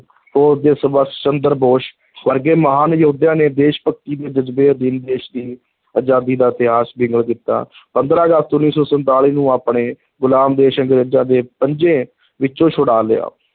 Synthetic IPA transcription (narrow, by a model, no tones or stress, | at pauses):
poːd̪eːsəbəst͡ʃənd̪əɾboːʃ | ʋəɾɡeːməɦaːnjəɦuːd̪jãːneːd̪eːʃpək̚t̪iːd̪eːd͡ʒəd͡ʒbeːəd̪iːnd̪eːʃd̪iː | əd͡ʒaːd̪iːd̪aːɪt̪ɪɦaːsbɪ̃ŋɡəɭkɪt̪ːa̰ːpənd̪ɾãːəɡəst̪ʊnːiːsɔːsənt̪aːliːnũːaːpɳeː | ɡʊlaːmd̪eːʃəŋɡɾeːd͡ʒãːd̪eːpəɲd͡ʒẽː | ʋɪt͡ʃt͡ʃõːʃʰʊɽaːlea̰ː